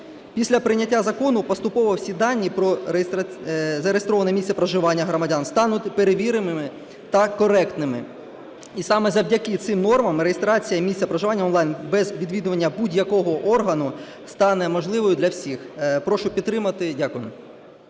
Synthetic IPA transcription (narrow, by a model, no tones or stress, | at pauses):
pʲisʲlʲɐpɾɪnʲɐtʲːazɐkɔnʊpɔst̪ʊpɔʋɔwsʲid̪ɑnʲːipɾɔɾsɐzɐɾejest̪ɾɔʋɐnɛmʲisʲt̪ʲsʲɐpɾɐʒɪʋɑnʲːɐɦɾɔmɐdʲanst̪ɑnʊtʲpeɾeʋʲiɾɪmɪmɪ | t̪ɐkɔɾɛkt̪nɪmɪ̰ | isɑmɛzɐwdʲɐkɪt̪sɪmnɔrmɐmɾejest̪ɾɑt͡sʲijɐmʲisʲt̪ʲsʲɐpɾɐʒɪʋɑnʲːɐɔnˠɑjnbɛzʋʲid̪ʲʋʲid̪ʊʋɐnʲːɐbudʲjɐkɔɦɔʔɔrɦɐnʊ | st̪ɑnɛmɔʒlˠɪʋɔjʊd̪lʲɐwsʲixpɾɔʃʊpʲid̪t̪ːɾɪmɐt̪ɪdʲakʊjm